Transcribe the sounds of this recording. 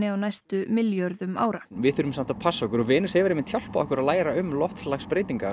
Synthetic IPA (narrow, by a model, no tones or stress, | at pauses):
ɪawnajst̪ʏmɪljœɾðʏma̰ːwɾavɪðθʏɾʏmsam̥t̪apʰasːaɔkʏɾɔvɪːnɪshɛvɪɾɪmɪnt̪ʰjawl̥paɔhkʏɾaðlaːjɾaʏmlɔft̪laxspɾejt̪iŋka